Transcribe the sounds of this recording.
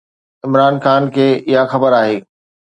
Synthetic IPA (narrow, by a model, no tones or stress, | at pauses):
ɪmɾaːnxaːnkʰeːʔɪɦaxɐbəɾaːɦeː